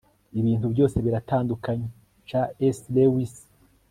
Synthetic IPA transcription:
iβiːntubjo̞ːse̞βiɾataːndukaɲe | t͡ʃaeslewis

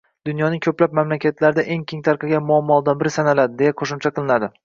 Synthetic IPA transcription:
d̪̥ʊnjɒnɪŋkʰɵplap̚mamlakʲʰat̪ʰlaɾɪd̪aʔe̞ŋkʲʰeŋt̪ʰaɾqʰɨɡʲamʊamːɒlˠd̪anbɪɾɪsanalad̪ɪd̪e̞jaqʰoʃʊmt͡ʃʰaqʰɨlˠɪnad̪ɪ

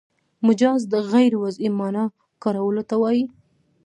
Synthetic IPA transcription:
mʊd͡ʒɑzd̪əɣajɾwazimɑnɑ | kɑɾawəlot̪awɑji

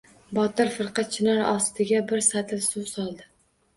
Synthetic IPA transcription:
bɒt̪ɪɾfɨɾqʰɑt̪̚t͡ʃʰɪnaɾɒst̪ʰɪɡʲabɪɾsat̪ʰɪlsʊsɒlˠd̪ɪ

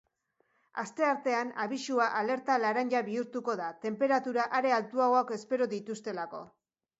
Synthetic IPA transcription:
ast̪e̞aɾt̪e̞anaβisuaʔale̞ɾt̪alaɾaɲʎaβiuɾt̪uko̞ðat̪e̞mpe̞ɾat̪uɾaʔaɾe̞alt̪uaoake̞spe̞ɾoðit̪ust̪e̞lako̞̰

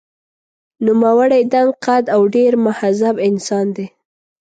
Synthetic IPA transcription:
numawaɽajd̪aŋqad̪awɖeɾmʊhazabɪnsɑnd̪e

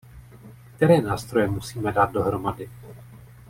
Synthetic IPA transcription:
k̚t̪ɛɾɛːnaːst̪ɾo̞jɛmusiːmɛdaːt̪̚do̞ɦɾo̞madɪ

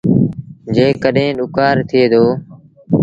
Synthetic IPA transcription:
d͡ʒeːkəɗẽːɗʊkaːɾt̪ʰɪeːd̪oː

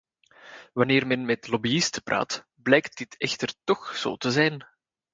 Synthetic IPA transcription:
ʋɑneːrmɛnmɛtlɔbiɪstəpra̰ːt | blɛjkt̚dɪtɛxtərtɔxz̥o̰ːtəzɛjn

